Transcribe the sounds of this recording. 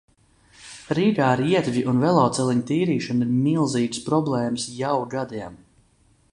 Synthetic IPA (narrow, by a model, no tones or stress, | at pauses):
ɾiːɡaːɾiɛt̪vʲiʔunvɛlˠawt̪sɛlˠiɲt̪iːɾiːʃɔniɾmilˠziːɡspɾɔblˠɛːmsjawɡad̪iɛm